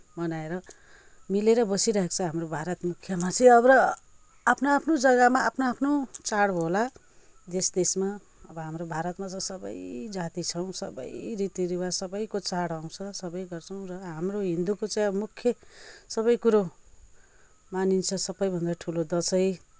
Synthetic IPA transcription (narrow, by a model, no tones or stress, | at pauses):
mʌnaeɾʌ | mileɾʌbʌsiɾʌɦekt͡sʰʌɦamrobʱaɾʌt̪mukʰjʌmat͡sʰijʌbʌɾʌ | apʰnaapʰnod͡zʌɡʌmaapʰnoapʰnot͡saɽɦola | d̪esd̪esma | ʌbʌɦamɾobʱaɾʌt̪mat͡saĩsʌbʌ̰jd͡zat̪it͡sʰʌw̃sʌ̰bʌ̰jɾit̪iɾiwasʌbʌjkot͡saɽaw̃t͡sʰʌsʌbʌjɡʌrt͡sʰʌw̃rʌɦamroɦind̪ukot͡saj̃ʌbʌmukʰjʌsʌbʌjkuɾo | manint͡sʰʌsʌbʌjbʱʌnd̪aʈʰulod̪ʌsʌj